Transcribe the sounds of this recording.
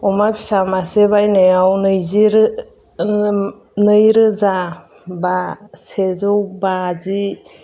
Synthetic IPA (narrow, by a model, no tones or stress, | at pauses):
ɔmapʰi̥samaseβajnejawnɯjziɾ | nɯjɾɯza | basezɔwbazi